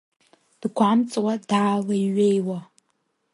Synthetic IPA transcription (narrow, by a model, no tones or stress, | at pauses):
d̥ɡʷamt͡sʼwad̥aːlaiɥejwa